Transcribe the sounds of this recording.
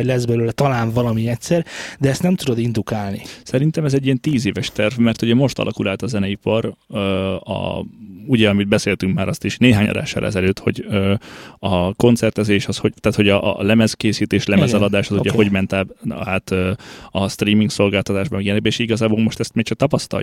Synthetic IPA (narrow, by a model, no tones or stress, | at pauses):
lɛzbɛløːlɛt̪ɒlaːɱvɒlɒmiɛcsɛrd̪ɛɛst̪nɛmt̪ud̪o̞d̪ind̪ukaːlnisɛɾint̪ɛmɛzɛɟːijɛnt̪iːzeːvɛʃt̪ɛrvmɛrt̪uɟɛmo̞ʃt̪ɒ̰lʔɒkulaːlt̪ɒzɛnɛipɒɾ | ɒ̰uɟɛɒmid̪̚bɛseːlt̪yŋkmaːɾɒst̪iʃneːɦaːɲɒ̰d̪a̰ːʃːɒ̰lɛ̰zɛløːt̪ho̞̰ɟøːɒko̞nt̪sɛrt̪ɛzeːʃɒsho̞t̪aːt̪ho̞ɟɒʔlɛmɛzkeːsiːt̪eːʃlɛmɛzɛlɒd̪aːʃɒzuɟɛɦo̞ɟmɛnt̪aːbaːt̪øɒst̪riːmiŋkso̞lɡaːlt̪ɒt̪aːʒbɒmɛɡjɛnɛɡ̚bɛeʃiɡɒzaːboːlmo̞ʃt̪ɛst̪meːkt͡ʃɒk̚t̪ɒpɒst̪ɒ̰j